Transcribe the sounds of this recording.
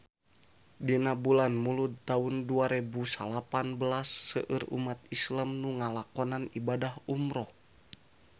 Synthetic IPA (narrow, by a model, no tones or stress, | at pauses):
dinabulanmulut̪aunduaɾɛbusalapanbəlasːəʔɨrṵmat̪̚islamnuŋalakɔnanibadahumɾɔ